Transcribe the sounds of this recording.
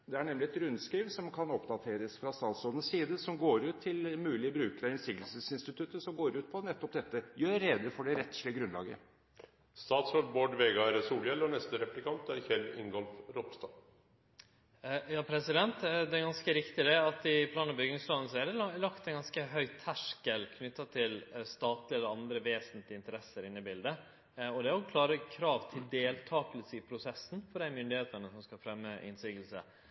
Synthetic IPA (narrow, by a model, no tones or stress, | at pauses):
d̪ɛæɳɛmlɪɛt̪ɾʉnskɾiːʋsɔmkʰɑnɔpd̪ɑt̪ʰeːɾəsfɾɑst̪ɑːt̪sɔːd̪ən̩ssiːd̪əsɔmɡoːɾʉːt̪ʰːɪlmʉːlɪbɾʉːkəɾəɪnsɪkt̪əl̩səsɪnst̪ɪt̪ʰʉt̪ːəsɔmɡoːɾʉːt̪̚pʰɔnɛt̪ːɔpd̪ɛt̪ːəjøːeːd̪əfɔɖɛɾɛt̪ːʂlɪəɡɾʉnlɑ̰ːɡə̰ | st̪ɑːt̪sɔlboːɖʋeːɡɑæɾəsuːljɛlɔnɛst̪əɾɛplɪkɑnt̪æɾçɛlɪ̰ŋɡɔlfɾɔpst̪ɑ | jɑːpʰɾɛsɪd̪ɛnt̪d̪ɛɡɑnskəɾɪkt̪ɪd̪ɛɑt̪ɪpʰlɑːnɑbʏɡɪŋslɑːnn̩sɔæd̪ɛlɑkt̪ɛnɡɑnskəɦœʏt̪ʰæʂkəlkʰnʏt̪ːɑt̪ʰɪlst̪ɑːt̪lɪɛləɾɑnd̪ɾəʋeːsənt̪lɪɪnt̪əɾɛsːəɾɪnːəbɪld̪ə | ɔd̪ɛæɾɔkʰlɑːɾəkʰɾɑːʋt̪ʰɪld̪eːlt̪ʰɑːkəlsəɪpʰɾʊsɛsn̩fɔɖæɪmʏnd̪ɪheːt̪ənəsɔmskɑfɾɛmːəʔɪ̰nsɪɡəlsə̰